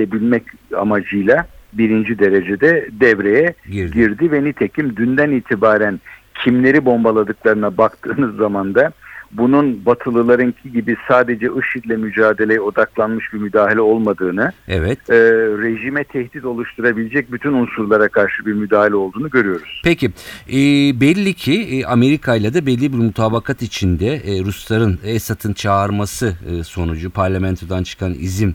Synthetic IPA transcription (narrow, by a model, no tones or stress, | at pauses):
ebilʲmɛca̰mad͡ʒɯjlˠabiɾind͡ʒid̪e̞ɾe̞d͡ʒed̪ɛd̪ɛvɾe̞jɛɟiɾd̪ivɛnit̪ʰecʰimd̪ynd̪æniːt̪ʰibaːɾæncʰimlʲe̞ɾibo̞mbalˠad̪ɯklˠaɾɯnabakt̪ʰɯːnɯzːamand̪abununbat̪ʰɯlˠɯlˠaɾɯncʰiɟibisaːd̪e̞d͡ʒɛʔɯʃit̪lʲɛmyd͡ʒaːd̪e̞lʲejɛo̞d̪aklˠanmɯʃbimyd̪aːɦilʲɛo̞lˠmad̪ɯːnɯɛ̰vɛt̪ːɾe̞ʒimɛt̪ʰɛhd̪it̪o̞lˠuʃt̪ʰuɾabilʲed͡ʒɛc̚byt̪ʰynunsuɾlˠaɾakʰaɾʃɯbiɾmyd̪aːhilʲɛo̞lˠd̪uːnuɟø̞ɾyjo̞ɾuz̥pʰecʰiɛːbɛlʲːicʰiʔame̞ɾikʰajlˠad̪abɛlʲːibiɾmut̪ʰaːbakʰat̪it͡ʃʰind̪ɛːɾuslˠaɾɯnɛsat̪ʰɯnt͡ʃʰaɾmasɯso̞nud͡ʒupʰaɾlʲamɛnt̪ʰod̪ant͡ʃʰɯ̥kʰanḭzim